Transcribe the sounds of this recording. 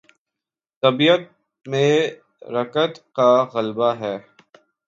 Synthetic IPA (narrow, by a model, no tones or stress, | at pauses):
t̪ɐbijət̪̚ | mẽ | ɾɐkət̪kaɣɐlbaɦɛː